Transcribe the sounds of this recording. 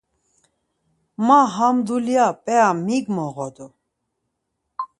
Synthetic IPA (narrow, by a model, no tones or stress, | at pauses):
maɦamd̪uliapʼɛamiɡmɔʁɔd̪u